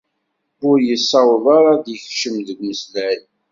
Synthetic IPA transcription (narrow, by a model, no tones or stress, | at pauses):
ʊɾjəsːɑwðˤɑɾˤɑðjəçʃəmðəɡʷməslæj